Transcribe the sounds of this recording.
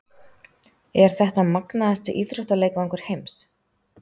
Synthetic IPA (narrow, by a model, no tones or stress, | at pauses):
ɛɾ̥θɛht̪amaknaðast̪ɪʔiːtɾœht̪aleːjkvaɔŋkʏɾ̥hejms